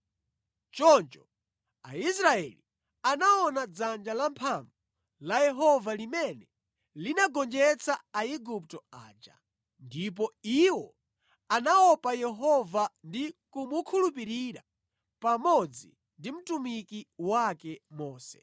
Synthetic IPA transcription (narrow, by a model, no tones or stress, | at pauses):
t͡ʃɔnt͡ʃɔ | ais̬ɾaɛli | anaɔnad͡zand͡ʒalampʰaɱvu | lajɛɦɔvalimɛnɛ | linaɡɔnd͡ʒɛt͡sʰaaiɡup̚tɔa̰ːd͡ʒa̰ | ndip̬ɔiwɔ | anaɔpajɛɦɔvandikumukʰulupiɾiɾa | pamɔd͡zḭ | ndim̩tumikiwakɛmɔːsɛ̰